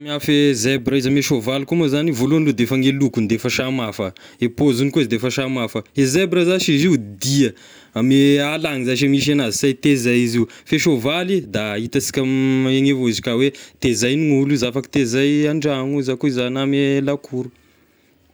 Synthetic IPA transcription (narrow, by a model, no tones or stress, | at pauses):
miafezebrəizameʃovalikumazanivoluanlud̪efaŋelukunid̪efəʃamafə | epozunikuizd̪efəʃamafəezebɾəzaʃiziud̪iə | amealaŋizaʃamiʃ̬anazisajt̪ezajizifeʃovalid̪ait̪asi̥kʲameŋevozi̥kʲawet̪ezajniuluzafaki̥t̪ezajaɳɖ͡ʐaŋuzakuizanamelakʰuɾu